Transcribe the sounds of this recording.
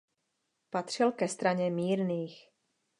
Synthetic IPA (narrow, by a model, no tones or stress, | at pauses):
pat̪r̝̥ɪlkɛst̪ɾaɲɛmiːɾniːx